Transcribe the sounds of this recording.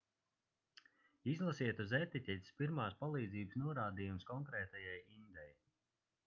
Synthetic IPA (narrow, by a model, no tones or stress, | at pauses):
izlˠasiɛt̪uzet̪icʲɛt̪ʲi̥spiɾmaːspalˠiːd̪ziːbəsnuɔɾaːd̪iːjumskɔŋkɾɛːt̪ajajind̪ɛj